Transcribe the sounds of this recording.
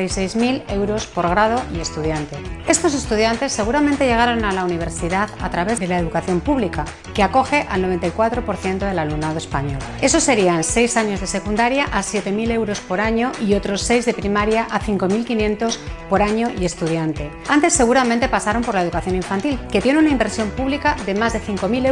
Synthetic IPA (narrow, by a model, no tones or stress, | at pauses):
ajse̞jzmile̞wɾo̞spo̞ɾɣɾað̞o̞ie̞st̪uð̞jant̪e̞e̞st̪o̞s̬e̞st̪uð̞jant̪e̞sːe̞ɣuɾamẽnt̪e̞ʝe̞ɣ̞aɾo̞nalauniβ̞e̞ɾsiðaðat̪ɾaβe̞zðelaeðukaθjo̞mpuβlika | keako̞xe̞ʔalno̞βe̞nt̪ajkwat̪ɾo̞po̞ɾθje̞nt̪o̞ðe̞lalumnað̞oe̞spaɲo̞̰l | e̞so̞se̞ɾianse̞jsaɲo̞zðe̞se̞kund̪aɾjaʔasje̞t̪e̞milewɾo̞spo̞ɾaɲo̞ʔio̞t̪ɾo̞sːe̞jzðe̞pɾimaɾjaʔaθiŋko̞milkinjent̪o̞spo̞ɾaɲo̞je̞st̪uð̞jant̪e̞ | ant̪e̞sːe̞ɣ̞uɾamẽnt̪e̞pasaɾo̞mpo̞ɾlae̞ðukaθjo̞niɱfant̪ilke̞t̪je̞nunaimbe̞ɾsjo̞mpuβlikaðe̞mazðe̞θiŋko̞mile